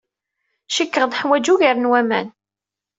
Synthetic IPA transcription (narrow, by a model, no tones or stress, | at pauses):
ʃəkːəʁd̪ħwæd͡ʒuʝəɾənwæmæ̰n